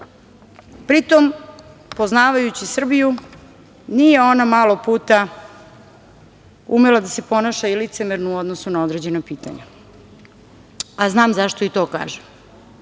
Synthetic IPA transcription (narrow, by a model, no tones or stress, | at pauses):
pɾit̪o̞mpoznaːʋajut͡ɕisr̩biju | nije̞o̞namaːlo̞puːt̪a | ṵmelad̪ase̞po̞naʃailit̪se̞meɾnuuo̞d̪nosunao̞d̪ɾe̞d͡ʑe̞napiːt̪a̰ɲa̰ | aznaːmzaʃt̪o̞it̪o̞ːka̰ːʒem